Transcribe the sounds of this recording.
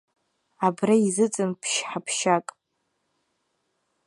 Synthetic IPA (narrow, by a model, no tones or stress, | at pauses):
abraizɨt͡sʼɨnpʰʃħapʰʃakʼ